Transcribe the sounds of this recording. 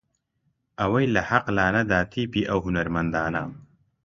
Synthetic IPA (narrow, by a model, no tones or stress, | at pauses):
awɐjlahaqlaːnad̪aːt̪ʰiːpiʔawɦunaɾmɐnd̪aːna̰ːm